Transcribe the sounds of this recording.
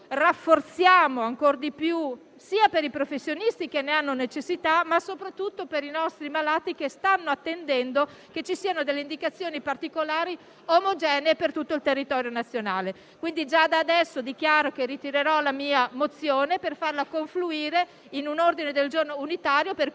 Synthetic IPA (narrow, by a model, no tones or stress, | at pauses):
rafːort̪sjaːmoaŋkord̪ipju | siːapeɾipɾofesːjonist̪ikenːeanːonet͡ʃesːit̪amasopɾat̪ːut̪ːopeɾinɔst̪ɾimalaːt̪ikest̪anːoat̪ːend̪ɛnd̪o | ket͡ʃːisiːanod̪elːeind̪ikat̪sːjoːnipart̪ikolaːɾi | omod͡ʒɛːneepert̪ut̪ːoilt̪erːit̪ɔːɾjonat̪sːjonaːle | kwind̪id͡ʒad̪aːd̪ɛsːod̪ik̟jaːɾokerit̪iɾeɾɔlamiːamot̪sːjoːneperfarlakoɱfluiːɾe | inunord̪ined̪eld͡ʒornounit̪aːɾjoper